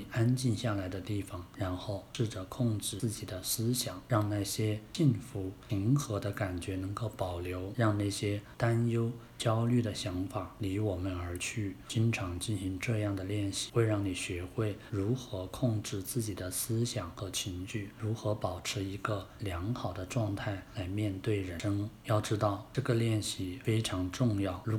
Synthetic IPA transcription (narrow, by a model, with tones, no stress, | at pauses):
a˥nt͡ɕi˥˧nɕja˥˩la˧˥ɪd̪ə˧t̪i˥˩fɑ˩ŋɻa˧˥nxo˥˩ʊʂɻ̩˥˩ʈ͡ʂə˨˩kʰʊ˥˧ŋʈ͡ʂɻ̩˥˩ɹ̩˥˩t͡ɕi˨˩d̪ə˦sɹ̩˥ɕjɑ˨˩˦ŋɻɑ˥˧ŋna˥˩ɕjɛ˥ɕi˥˩nfu˧˥i˧˥ŋxɤ˧˥d̪ə˧ka˨˩nt͡ɕɥɛ˧˥nɤ˧˥ŋko˥˩ʊpɑ˨˩ʊljo˧˥ʊɻɑ˥˧ŋna˥˩ɕjɛ˥t̪a˥njo˥ʊ | t͡ɕjɑ˥ʊly˥˩d̪ə˩ɕjɑ˧˥ŋfa˨˩li˧˥wɔ˨˩mə˦nə˞˧˥t͡ɕʰy˥˩t͡ɕi˥nʈ͡ʂʰɑ˧˥ŋt͡ɕi˥˩nɕi˧˥ŋʈ͡ʂɤ˥˧jɑ˥˩ŋd̪ə˩ljɛ˥˧nɕi̥˥˩xwe˥˧ɪɻɑ˥˩ŋni˨˩ɕɥɛ˧˥xwe˥˩ɪɻu˧˥xɤ˧˥kʰʊ˥˧ŋʈ͡ʂɻ̩˥˧t͡sɹ̩˥˩t͡ɕi˨˩d̪ə˦sɹ̩˥ɕjɑ˨˩ŋxɤ˧˥t͡ɕʰi˧˥ŋt͡ɕy˥˩ɻu˧˥xɤ˧˥pɑ˨˩ʊʈ͡ʂʰɻ̩˧˥i˧˥ɡə˧ljɑ˧˥ŋxɑ˨˩ʊd̪ə˦ʈ͡ʂwɑ˥˧ŋt̪ʰa˥˩ɪla˧˥ɪmjɛ˥˧nt̪we˥˩ɪɻə˧˥ɤ˥ŋjɑ˥˩ʊʈ͡ʂɻ̩˥t̪ɑ˥˧ʊʈ͡ʂɤ˥˩ɡə˩ljɛ˥˧nɕi˥˩fe˥ɪʈ͡ʂʰɑ˧˥ŋʈ͡ʂʊ˥˧ŋjɑ˥˩ʊ˧˥